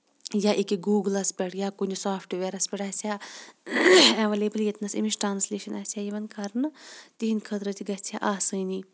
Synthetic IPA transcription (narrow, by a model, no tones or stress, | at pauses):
jaːʔikiɡuːɡlɐspʲɛʈjaːkunʲisaːpʰʈʋeɾɐspʲɛʈaːsʲaː | ɐʋɐleːbɐljet̪nɐsimisʈɾaːnslʲeːʃɐnɐsʲjaːjiʋɐnkʰɐɾnɨt̪iɦinkʰɐt̪ɾɐt̪iɡɐt͡sʰa̰ʔaːsɨni